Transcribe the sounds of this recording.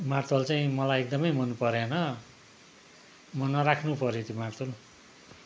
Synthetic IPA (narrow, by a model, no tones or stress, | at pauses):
mart̪ʰolt͡saĩmʌlajek̚d̪ʌmʌjmʌnpʌɾenʌ | mʌnʌɾakʰnupʌɾjot̪ʰjimart̪ʰol